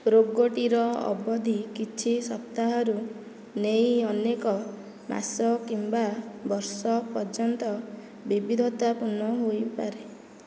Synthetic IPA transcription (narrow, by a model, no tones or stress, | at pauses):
ɾoɡːoʈiɾɔɔ̰bɔd̪ʱikit͡ʃʰisɔp̚t̪aɦɔɾu | nejɔnekɔ | mʔa̰sɔkimbabɔɾsɔpɔɾd͡ʒɔnt̪ɔ | bibid̪ʱɔt̪apunɔɦojpaɾe